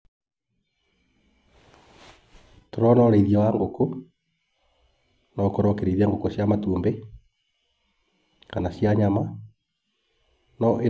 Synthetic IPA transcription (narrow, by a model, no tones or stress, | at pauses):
toɾɔnɔɾeiðjawaŋɡoko | nɔkoɾɔkeɾeiðiaŋɡokosjamatuːmbe | kanaɕjaɲama | nɔʔe